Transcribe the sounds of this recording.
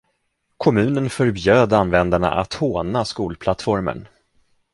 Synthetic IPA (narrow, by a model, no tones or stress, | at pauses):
kʰɔmʉ̟ːnənfœɾbjøːd̪anvɛnd̪aɳa̰ʔat̪hoːnaskuːlpʰlat̪fɔɾmə̰ɳ